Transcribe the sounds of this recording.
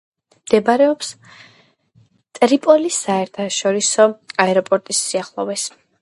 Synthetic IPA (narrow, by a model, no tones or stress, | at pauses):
md̪̥ɛbaɾɛɔps | t̪ʼɾipʼɔlisaɛɾt̪ʰaʃɔɾisɔaɛɾɔpʼɔɾt̪ʼisːiaχlˠɔvɛs